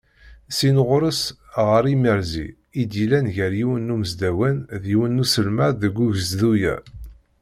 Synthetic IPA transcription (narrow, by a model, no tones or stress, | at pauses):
sinʁʊɾəsʁəɾiməɾzḭ | id̪ilænʝəɾjiwənːumzd̪æwænðjiwənːusəlmæɾðəɡʷːuʝəzðujæ̰